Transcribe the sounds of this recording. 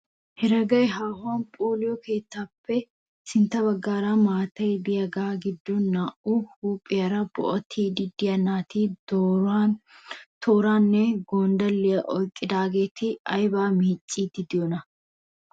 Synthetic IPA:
hɛɾɐɡɐjɦaːhʊaːnpʼoːlɪjɔke̞ːt̪ːaːpʰːɛ | sɪnt̪ːɐbɐɡːaːɾamaːt̪ɐjb̪ɪjɐɡaːɡɪd̪ːɔnːaːʔuhuːpʼːɪjɐɾɐb̥ɔ̰ʔɔt̪ʰiːd̪ɪd̪ɪjɐnaːt̪ido | t̪ʰoːɾaːnːɛɡoːnd̪ɐlːɪjɐʔɔjkʼːɪd̪aːɡe̞ːt̪ɪɐjbaːmiːt͡ʃʼːiːd̪ɪd̪ɪjɔnɐ

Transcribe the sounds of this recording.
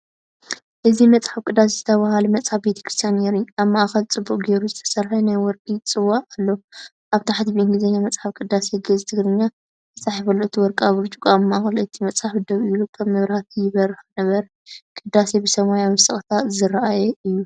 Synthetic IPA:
ʔɨzimɐt͡sʼħaβkʼɨd̪ːas̬ez̥ɨt̪ʰɐβahalumɐt͡sʼħaβbet̪ʰɐ̥kʰɾɨst̪ʰijanneɾujaβmaʔaxɐlt͡sʼɨbːukʼɡe̞ɾuzɨt̪ʰɐ̥sɐɾħɐnajwɔɾkʼit͡sʼɨwːaʔalːo | ʔaβt̪ʰaħat̪iβiɨŋɡɨzɐɲːamɐt͡sʼħaβkʼɨd̪ːaseɡɐzt̪ʰɨɡɾɨɲːa | ɨt͡sʼaħifɐluʔɨt̪ʰiwɔɾkʼaβɨɾt͡ʃʼukʼaβmaʔaxɐlʔɨt̪ʰimɐt͡sʼħaħbɨd̪ɐβɨlukʰɐβmɨβɾhat̪ʰɨjɪβɐɾɨxɨnɐβɐɾ | kʼɨd̪ːase̞bɨsɐmajawisʼɨxʼt̪ʰazɨɾɐʔajɛɨjːu

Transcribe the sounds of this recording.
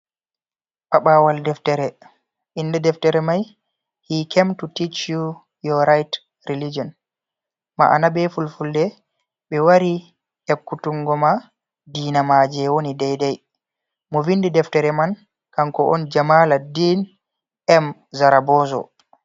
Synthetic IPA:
ɓaɓaːwaldɛftɛɾɛ | ʔindɛdɛftɛɾɛmaj | hiːkʰemtutit͡ʃu | jɔɾajt | ɾilid͡ʒɔn | ma̰ʔa̰nabɛfulfuldɛ | ɓɛwaɾi | hekːutuŋɡɔma | diːnamad͡ʒɛwonidɛjdɛj | mɔvindidɛftɛɾɛman | kaŋkɔʔɔnd͡ʒamaladin | ɛmzaɾabɔːzɔ̰

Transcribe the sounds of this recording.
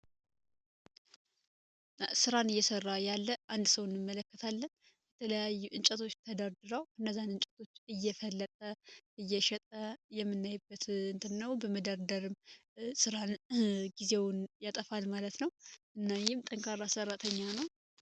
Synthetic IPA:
sɨɾanɨjːɛsərːajalːəʔand̪səwɨnːɨmːələkːət̪ʰalːən | bɛt̪ʰələjajːuʔɨnt͡ʃʼət̪ʰo̞t͡ʃːt̪ʰəd̪aɾd̪ɨɾawɨnːəzːanɨnt͡ʃʼət̪ʰo̞t͡ʃːɨjːɛfəlːət̪ʼəʔɨjːɛʃɛt̪ʼəjɛmːɨnːajbːət̪ɨnt̪ʰɨnːəwbəməd̪aɾd̪əɾɨmsɨɾanɡize̞wnjat̪ʼəfalmalət̪nəwɨnːajɪmt̪ʼəŋkʰʼaɾasərːat̪ʰəɲːanəw

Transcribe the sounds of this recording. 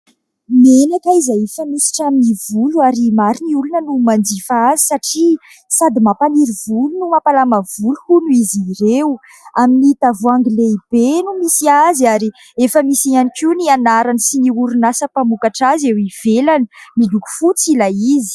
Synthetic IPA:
menakaizaefamisi̥ʈ͡ʂaminivuluaɾimaɾiniulunənumand͡ʒifaazi̥saʈ͡ʂi | sad̪imapaniɾiv̥ulunumapalamavuluhunuiziɾew | aminiit̪avuaŋɡileib̥enumisiaziaɾi | efəmisianikinianaɾanisiniuɾunasəpamukaʈ͡ʂazewiv̥elanimiluku̥fut͡silaizi̥

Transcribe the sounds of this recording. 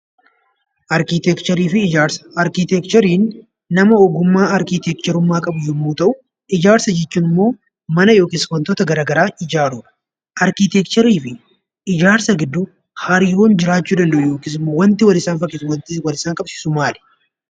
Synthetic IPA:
ʔɐɾkit̪ɛkt͡ʃɐɾiːfɪd͡ʒaɾsɐ̥ɐɾkit̪ɛkt͡ʃ̪ɔɾiːnː | ɐmɐɔɡʊmːaːɐɾkit̪ɛk̚t͡ʃ̪ɛɾʊmːaːkʼɐbʊjʊmːuːt̪ɐʔʊ | ɪd͡ʒaːɾsɐd͡ʒɛt͡ʃːuːnɪmːo̞ː | mɐnɐjo̞ːkʼɪːskɐnt̪ɔːt̪ɐɡɐɾaːɡɐɾaːɪd͡ʒaːɾuːᶑɐ̥ | ʔɐɾkit̪ɛkt̪ɐɾiːfɪ | ɪd͡ʒaːɾsɐɡɪd̪ːʊ | hɐɾiːɾoːnd͡ʒɪɾaːt͡ʃːuːd̪ɐnd̪ɐʔʊjo̞ːkɪsɪmwɐnt̪ɪwɐlɪsaːnfɐkʼːɪswɐnɪwɐlɪsaːŋkʼɐbsɪ̥sʊmaːlɛ̥

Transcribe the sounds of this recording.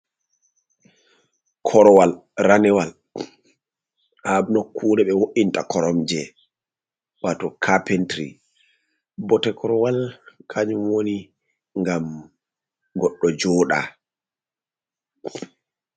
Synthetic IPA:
kʰɔɾɔwalranɛwal | habnokʰːuːdɛɓɛwoʔintakɔɾɔmd͡ʒɛ | watɔkʰapentɾḭ | bɔtɛkɔɾɔwalkʰaɲumwoni | ŋɡam | ɡɔɗːɔd͡ʒɔːɗa̰

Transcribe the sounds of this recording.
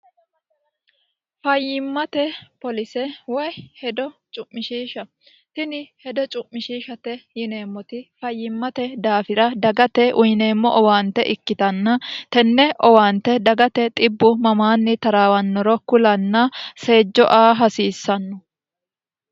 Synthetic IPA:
fɐjːɪmːɐt̪ɛpɔlɪsɛwɔjhɛd̪ɔt͡ʃʼʊmːɪʃiːʃɐ | t̪ɪnɪhɛd̪ɔt͡ʃʼʊmːɪʃiːʃɐt̪ɛjɪne̞ːmːɔt̪ɪfɐjːɪmːɐt̪ɛd̪aːfɪɾɐd̪ɐɡɐt̪ɛʔʊjɪne̞ːmːɔʔɔwaːnt̪ːɛ̰ʔɪkːɪt̪ɐnːɐt̪ɛnːɛʔɔwaːnt̪ːɛd̪ɐɡɐt̪ɛt̪ʼɪbːʊmɐmaːnːɪt̪ɐɾaːwɐnːɔɾɔkʊlɐnːɐse̞ːd͡ʒːɔʔaːɦɐsiːsːɐnːɔ

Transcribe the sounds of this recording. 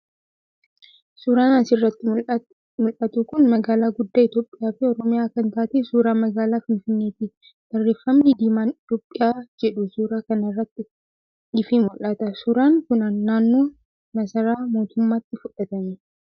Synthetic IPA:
suːɾaːnansɪrːɐt̪ːɪ | mʊlʔɐt̪ukʊnmɐɡaːlaːɡʊd̪ːaɪt̪jo̞ːpʼːɪjaːfɪɔɾɔmɪjaːkɐnt̪aːt̪esuːɾaːmɐɡaːlaːfɪnfɪnːe̞ːt̪i | d̪̥ɐrːeːfɐmniːd̪iːmaːnɪt̪joːpʼːɪjaːd͡ʒɛᶑʊsuːɾaːkɐnɐrːɐt̪ːɪ | ɪfɪmʊlːɐt̪ɐsuːɾaːŋkʊnɐnːaːnːoː | nɐsɐɾaːmo̞ːt̪ʊmːaːt̪ːɪfʊᶑɐt̪ɐmɛ

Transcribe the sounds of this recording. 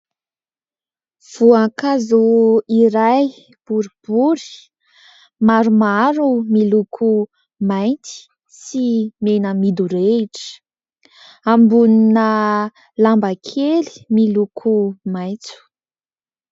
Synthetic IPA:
v̥uakazuiɾaj | b̥uɾib̥uɾi̥ | maɾumaɾumilukʰu | majnt̪i̥ | simenəmid̪uɾeʈ͡ʂə̥ | ambuninə | lambakʰeli̥milukʰumajt͡su̥

